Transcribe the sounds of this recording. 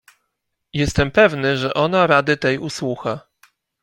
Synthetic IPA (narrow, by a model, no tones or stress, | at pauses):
jɛst̪ɛmpɛvnɘʐɛʔɔnaɾad̪ɘt̪ɛjuswuxa